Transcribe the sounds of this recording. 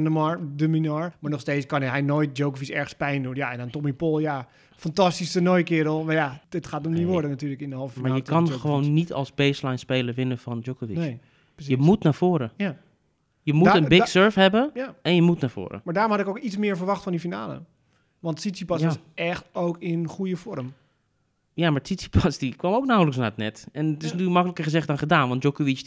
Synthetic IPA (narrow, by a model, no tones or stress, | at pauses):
ndəmɔɹdəminɔɹmaːɹnɔχsteːskɑnɦɛjnojt̚d͡ʒowkəfisɛɹxəspɛjndunjaɛnantɔmipolˠja | fantɑstistənojkɪəɾəlˠmajaətχaːtnɔmdiʋodənatyːləkɪndəɦɔlˠfəfimaajəkanxəʋoːnːitʰɔ̰lˠsbeːslajnspeːləɹʋɪnəfɔnd͡ʒokovinː | psjəmutnafoːɾəja | jəmutənbɪksøɹfɦɛbəɛnjəmutnaːɹv̥o̰ːɾə̰maːɹdaːɾɔmɦɑtɪkowkitsmɪːɹvəɹʋɑχtfɔndifinaːlə̰ | ʋɑntsisipɔsjaɪsɛxtowkɪnχujəfɔrm | jamaɹsisi̥pʰasdikʋɔmoʊwk̚nawləks̬natnɛtɛntɪsnatyːkmɑkələkəɹχəzɛχt̚dɔnχədaːnʋɑnd̚d͡ʒokoʋit͡ʃ